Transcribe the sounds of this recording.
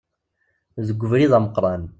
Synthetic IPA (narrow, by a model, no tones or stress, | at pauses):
ðəɡʷːəvɾiðæməqɾˤɑn